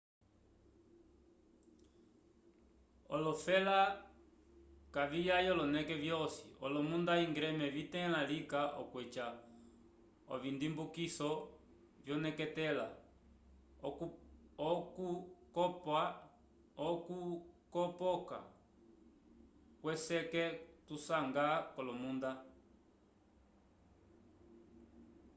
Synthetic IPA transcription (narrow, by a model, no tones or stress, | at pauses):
ɔ̰lɔfɛla | kavijajɔlɔnɛkɛvjɔsiɔlɔmundaiŋɡɾɛmɛvitɛ̃lalikaʔɔ̰kwɛt͡ʃa | ɔ̰vindimbukisɔ | vjɔnɛkɛtɛla̰ | ɔkukɔpa | ɔkukɔpɔka̰ | kwɛsɛkɛtusaŋɡakɔlɔmunda